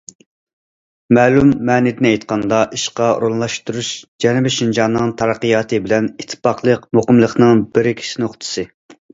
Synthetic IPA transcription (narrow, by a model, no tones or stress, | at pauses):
mɛːlumːɛːnɪd̪ɪnɛjt̪qʰɑnd̪ɑʔiʃqɑṵɾonlˠɑʃt̪uɾuʃd͡ʒɛnɪbɛʃind͡ʒɑnːɨŋt̪ʰɑɾɑqːijɑːt̪ʰɨbɪlɛnit̪ʰːɨ̥pɑqʰlˠəqmoqəmlˠəχnɨŋbɪɾkʲʰi̥ʃinoχt̪ʰɨ̥sɨ